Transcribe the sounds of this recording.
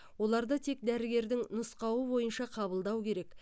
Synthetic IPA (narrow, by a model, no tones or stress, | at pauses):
wo̞lˠɑɾd̪ɑt̪ʰe̞k̚d̪æɾɪɡʲe̞ɾd̪ɪŋnʊsqɑwəbo̞jənʃɑqʰɑbəlˠd̪ɑwkʲʰe̞ɾe̞k